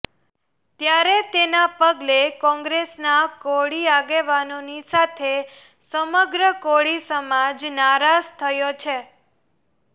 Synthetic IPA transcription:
t̪jaɾet̪enapəɡlekɔ̃ŋɡɾesnakoɽiaɡeʋanonisat̪ʰe | səməɡɾəkoɭisəmad͡ʒnaɾad͡ʒt̪ʰəjot͡ʃʰe

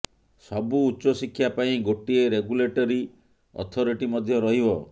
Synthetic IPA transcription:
sɔbuːtːsɔsikʰːjapaĩɡoʈieɾeɡuleʈɔɾi | ɔ̰t̪ʰɔɾiʈimɔd̪ʱjɔɾɔɦibɔ

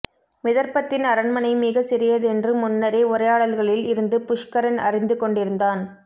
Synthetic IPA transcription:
mɪðɐɾpɐt̪ːɪnɐɾɐɳmɐnɐɪmɪɣɐsɪɾɪjɐðɯɛndrɯmʊnːɐɾeːʊrɐjaːɭɐlɣɐɭɪlɪɾɯnd̪ɯpʊʂkɐɾɐnɐrɪnd̪ɯkɔɳɖɪɾɯnd̪aːn

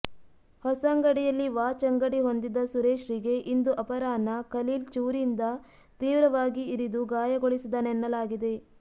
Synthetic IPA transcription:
hɔsɐŋɡɐɽijɐlːiʋaːt͡ʃɐŋɡɐɽiɦo̞nd̪id̪ɐsuɾeːʃɾiɡe̞ʔind̪uʔɐpɐɾaːnɐkɐliːlt͡ʃuːɾind̪ɐ | t̪iːʋɾɐʋaːɡiːɾid̪uɡaːjɐɡoɭisid̪ɐnɛnːɐlaːɡid̪e̞

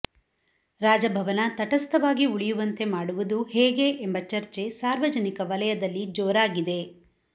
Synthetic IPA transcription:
ɾaːd͡ʒɐbʱɐʋɐnɐt̪ɐʈɐst̪ɐʋaːɡiuɭijuʋɐnt̪e̞maːɽuʋud̪uhɛːɡe̞ʔembɐt͡ʃɐɾt͡ʃe̞saːɾʋɐd͡ʒɐnikɐʋɐlɐjɐd̪ɐlːid͡ʒoːɾaːɡid̪e̞

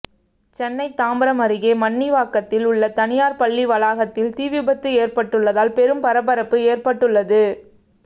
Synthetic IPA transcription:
t͡ʃɛnːɐɪt̪ːaːmbɐɾɐmɐɾɪɣeːmɐnːiʋaːkːɐt̪ːɪlʊɭːɐt̪ɐnɪjaːɾpɐɭːiʋɐlaːɣɐt̪ːɪlt̪iːʋɪbɐt̪ːɯeːrpɐʈːɯɭːɐðaːlpɛɾɯmpɐɾɐpːɐɾɐpːɯeːrpɐʈːɯɭːɐðɯ

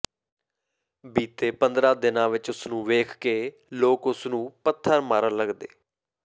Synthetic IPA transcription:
biːt̪eːpənd̪ɾãːd̪ɪnãːʋɪt͡ʃʊsnũːʋeːkʰkeː | loːkʊsnũːpət̪ʰːəɾmaːɾələɡd̪ḛː

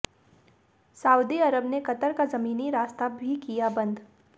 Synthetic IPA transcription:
saːʊd̪iɐɾəbnekɐt̪əɾkazɐmiːniɾaːst̪abʱikijabɐ̃nd̪

